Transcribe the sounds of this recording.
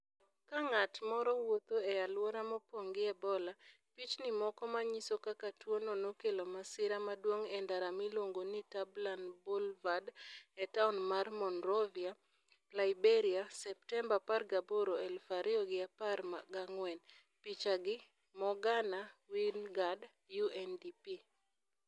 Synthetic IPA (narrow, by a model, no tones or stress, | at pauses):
kaŋatmɔɾɔwot̪oɛalwoɾamɔpoŋɡɪɛbɔla | pit͡ʃnɪmɔkɔmaɲisokakatwononokelomasɪɾamadwoŋɛndaɾamiloŋɡonitablanbolvadɛtaunmarmɔnrɔvia | laibeɾiasɛp̚tɛmbaparɡaboɾoɛlfaɾɪɔɡɪaparmaɡaŋwɛn | pit͡ʃaɡɪ | mɔɡanawinɡad | juɛndipi